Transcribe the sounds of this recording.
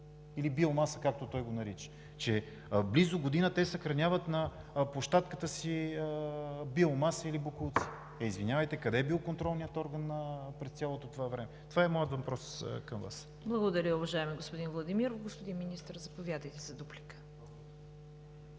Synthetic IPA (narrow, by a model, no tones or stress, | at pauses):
ilibilˠmasəkak̚t̪ot̪ɔjɡonɐɾit͡ʃə̥ | t͡ʃɛ | blizʊɡod̪inət̪ɛsɐxɾɐnʲavət̪nɐplˠoʃt̪at̪kət̪əsiəbilˠmasəilibokulˠt̪si̥ | ɛizvinʲavəjt̪ɛkɐd̪ɛbilˠkont̪ɾɔlˠnijət̪ɔɾɡənːɐpɾɛst̪ʲalˠot̪ot̪ovavɾɛmɛt̪ovaɛmɔjət̪vɐpɾɔskɐmva̰s | blˠɐɡod̪ɐɾʲəʊvɐʒaɛmiɡospʊd̪invlˠɐd̪imiɾovɡospod̪inminist̪ɾzɐpovʲjad̪əjt̪ɛzɐd̪uplikə̥